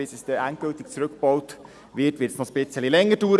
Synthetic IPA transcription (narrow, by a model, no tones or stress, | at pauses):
ɪsɛsd̥ɛʔænt̚ɡ̥ɵltik̚t͡suɾɵkb̥ɔwt | ʋɪtʋɪːtsnɔχsb̥ɪt͡səlilɛŋːəduːɾ